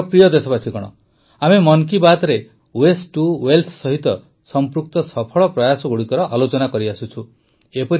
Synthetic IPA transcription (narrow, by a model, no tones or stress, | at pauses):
pɾijɔd̪esɔbasikɔɽ̃ɔ̰ | amemɔŋk̬ibat̪ɾe | wesʈuwelt̪ʰsɔɦit̪ɔ | sɔmpɾuk̚t̪ɔsɔpʰɔɭɔpɾɔjasɔɡuɽikɔɾɔʔalot͡ʃɔnakɔɾiasut͡ʃʰu | epɔɾi